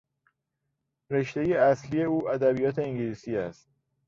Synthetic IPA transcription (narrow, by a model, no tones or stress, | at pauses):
ɾe̞ʃt̪e̞jeæsliːje̞uːʔæd̪æbijɒːt̪ʰe̞iŋɟiliːsiːæst̪̚